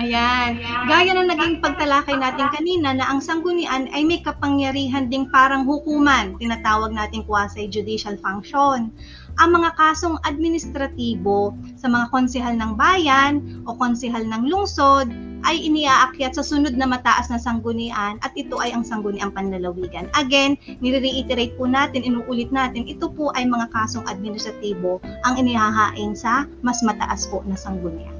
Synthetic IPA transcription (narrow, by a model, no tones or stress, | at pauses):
ʔɐjanɡaːjɐnɐŋnɐɡiŋpɐɡ̚t̪ɐlaːkɐjnaːt̪ɪŋkɐniːnɐnɐʔɐŋsɐŋɡʊnɪʔanʔɐjmɐjkɐpɐŋjɐɾiːɦɐnd̪ɪŋpaːɾɐŋhʊkuːmɐnt̪ɪnaːt̪aːwɐɡ̚naːt̪ɪŋkwaːsɐjd͡ʒʊd̪iʃɐlfaŋkʃon | ʔɐŋmɐŋakaːso̞ŋɐd̪̚mɪnɪst̪ɾɐt̪iːbo̞sɐmɐŋakonsɪɦalnɐŋbaːjɐnʔo̞konsɪɦalnɐŋlʊŋso̞d̪̚ | ʔɐjʔɪniʔaːʔɐkjat̪̚sɐsʊno̞d̪̚nɐmɐt̪aʔɐsnɐsɐŋɡʊnɪʔanʔɐt̪̚ʔɪt̪o̞ʔɐjɐŋsɐŋɡʊnɪʔɐŋpɐnlɐlɐwiːɡɐnʔɐɡɛnːɪɾiɾiʔit̪ɪɾejt̪̚pʊnaːt̪ɪnɪnuːʔuːlɪt̪̚naːt̪ɪnʔɪt̪opoʔɐjmɐŋakaːso̞ŋʔɐd̪̚mɪnɪst̪ɾɐt̪iːbo̞ʔɐŋʔɪnɪhaɦaːʔɪnsɐ | mɐsmɐt̪ɐ̰ʔaspo̞ʔnɐsɐŋɡʊnɪ̰ʔa̰